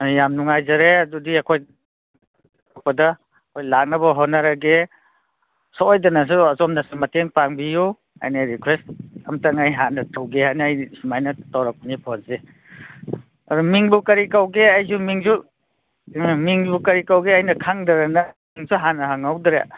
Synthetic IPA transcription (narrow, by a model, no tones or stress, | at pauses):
jamnuŋajzɐɾeɐdudiɐkʰoj | t̚pɐdɐ | kʰojlak̚nɐbɐɦonɐɾɐɡe | sɔojdɐnɐs̬uɐzɔmnɐsumɐteŋpaŋbiju | a̰jnaɾikʰwestɐmtaŋajɦanɐtawɡeɦajnːjsumajnɐtawɾak̚panipʰonze | ɐdumiŋbukɐɾikawɡeajzumiŋzu | miŋbukɐɾikawɡeajnɐkʰaŋdɐɾɐnɐmiŋsuɦanɐɦaŋawdɾḛ